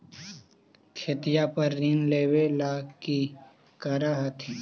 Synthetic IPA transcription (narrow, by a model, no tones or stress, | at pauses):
kʰet̪ijapəɾːiːnleːwelaːki | kəɾaɦat̪ʰiː